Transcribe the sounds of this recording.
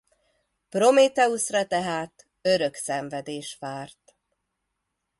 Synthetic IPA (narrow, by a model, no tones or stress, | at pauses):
pro̞meːt̪ɛusrɒt̪ɛɦaːt̪ | ø̞ɾø̞ksɛɱvɛd̪eːʃʋaːrt̪